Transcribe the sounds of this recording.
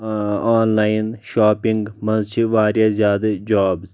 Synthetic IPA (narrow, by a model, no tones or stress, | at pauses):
aːnlaːinʃaːpiŋɡmɐnzt͡ʃʰiʋaːɾjaːzʲjaːd̪ɐd͡ʒaːbz